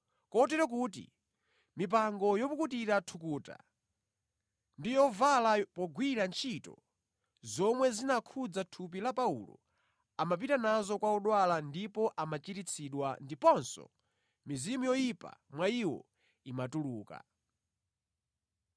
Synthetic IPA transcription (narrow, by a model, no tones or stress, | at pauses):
kɔtɛɾɔk̬uːtḭ | mip̬aŋɡɔjɔkukutiɾatʰukuːta̰ | ndijɔvalapɔɡwiɾant͡ʃʰitɔ̰ | zɔmwɛzinakʰud͡zatʰup̬ilapaṵlɔ̰ | amap̬itanazɔkwaɔɗwalandipɔʔamat͡ʃitit͡sʰiɗwandipɔnsɔ̰ | mizimujɔjipa̰mwaiwɔ̰ | imatuluːka̰